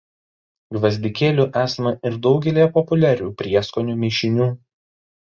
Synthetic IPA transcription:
ɡʋɐzʲd̪ʲɪkʲeːlʲuːʔæːsɐmɐʔɪɾd̪ɒʊɡʲɛlʲiːjɛpɔpʊlʲæːɾʲuːpʲɾʲiɛskonʲuːmʲeːʃʲɪnʲuː

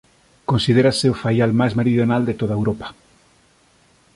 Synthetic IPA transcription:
konsið̞eɾaseofajalmajzmeɾiðjonald̪et̪oðaewɾopḁ

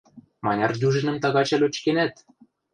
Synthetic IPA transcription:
mɑnʲɑrd̪ʲuʒɘ̆nə̆mt̪ɑɣɑt͡ɕɘ̆lʲot͡ɕkenæt̪

